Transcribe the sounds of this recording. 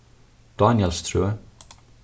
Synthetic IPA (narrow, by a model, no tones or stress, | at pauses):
d̪̥ɑːnɪəlst̪ʰɾʉːə